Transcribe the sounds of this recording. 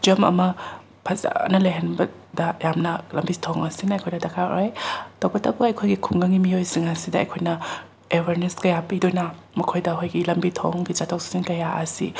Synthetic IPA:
d͡ʒɐmɐ̰mɐ | pʰɐza̰nɐlɐjɦenbɐ | dɐjamnɐlɐmbitʰoŋɐsinɐjkʰojnɐdɐkʰaj̰ajtɐwbɐtɐbɐɐjkʰojɡikʰuŋɡɐŋimijojsiŋɐsidɐɐ̰jkʰojnɐ | ewɐɾneskɐjapidojnɐ | mɐkʰojdɐɦojɡilɐmbitʰo̰ŋɡizatʰawssinkɐjaʔɐsḭ

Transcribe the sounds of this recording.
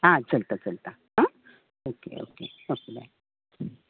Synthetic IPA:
ɦãt͡səlt̪at͡səlt̪a | ɦã | okḛo̰kḛ | okla̰

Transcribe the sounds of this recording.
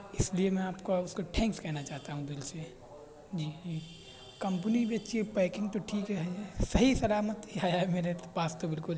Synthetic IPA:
ɪsliemɛ̃aːpkoʊskoʈʰɛ̃ːŋkskɛɦnat͡ʃaːɦt̪aɦũd̪ɪlse | d͡ʒiːd͡ʒiː | kɐ̃mp̬ənibet͡ʃepaɪkɪ̃ŋɡ̚t̪oʈʰiːkɦɛɦɛsɐɦisɐlaːmət̪iajaɦɛmeːɾepaːst̪obɪlkʊl

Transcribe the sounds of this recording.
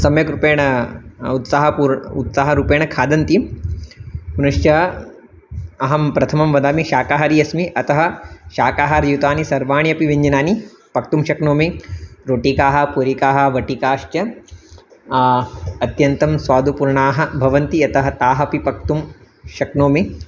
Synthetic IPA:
sɐmjɐkɾupeːɳɐut̪saɦɐuɾut̪saːɦɐɾupeːɳɐkʰaːd̪ɐnt̪i | punɐʂt͡ʃjɐ | ɐɦɐmpɾɐt̪ʰɐmɐmʋɐd̪aːmiʃaːkaːɦɐɾiɐsmiʔɐt̪ɐɦɐ̆ʃaːkaːɦɐɾjut̪aːnisɐɾʋaːɳjɐpiʋiɲd͡ʒinaːni | pɐk̚t̪umʃɐknoːmiɾoːʈikaːɦɐ̆puɾikaːɦɐ̆ʋɐʈikaːʃt͡ʃɐ | ɐt̪jɐnt̪ɐmsʋaːd̪upuɾɳaːɦɐ̆bʱɐʋɐnt̪iɐt̪ɐɦɐt̪aːɦɐpipɐk̚t̪um | ʃɐknoːmi

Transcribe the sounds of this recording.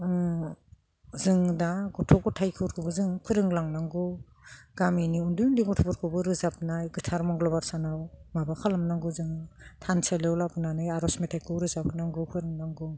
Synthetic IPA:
zɯŋdaɡɔtʰɔɡɔtʰajkʰɯɾkʰɯbɯzɯŋpʰɯɾɯŋlaŋnaŋɡɔ | ɡaminiundujndiɡɔtʰɔbɔɾkʰɯbɯɾɯzap̚najɡɯtʰaɾmɔŋɡlɔbaɾsanawmabakʰalamnaŋɡuzɯŋtʰanselewlapɯnanajaɾɔsmetʰajkʰɯɾɯzap̚ʰɯnaŋɡɯpʰɯɾɯŋnaŋɡɔ

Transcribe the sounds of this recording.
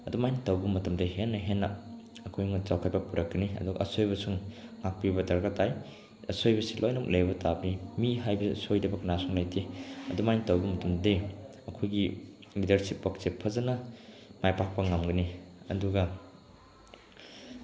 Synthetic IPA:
ɐdumajnitɐwbɐmɐtɐmdɐɦenːɐɦenːɐː | kʰojuŋɐt͡ʃawkʰat̚bɐpuɾɐkːɐniɐ̰duɡɐ̰ʔɐsojbɐsuŋŋak̚pibɐdɐɾɡatʰaj | ɐsojbɐsilʔojnɐk̚lʔejbɐtabɐnimiɦajbɐsojdɐbɐkɐnasuŋlɐjtʰiɐdumajnitɐwbɐmɐtɐmde | ɐkʰojɡilidɐɾsipːɐk̚sepʰɐzɐnɐmajpak̚pɐŋamɡɐniɐ̰duɡɐ

